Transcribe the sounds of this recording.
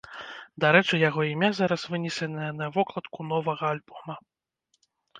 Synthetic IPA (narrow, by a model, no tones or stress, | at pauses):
d̪aɾɛt͡ʂɨjaɣɔimʲazaɾɐsvɨnʲɛsʲɛnɐjɐnɐvɔklˠɐt̪kunɔvɐɣɐalʲbɔmɐ